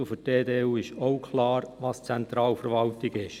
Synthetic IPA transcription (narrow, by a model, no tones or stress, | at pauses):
ʊfədeːdeːuːɪʃoʊkʰlɑːɾʋɑːst͡sɛntɾɑːlfəɾʋɑltɪɡɪʃ